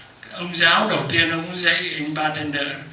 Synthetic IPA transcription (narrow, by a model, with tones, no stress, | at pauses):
ʔə˧wŋ͡mzaː˨˦wɗə˨˩wt̪i˧ənʔə˧wŋ͡mzə̰˧˥jʔa˧ŋɓaː˧t̪ʰɛ˧nɗə̰ː˧˨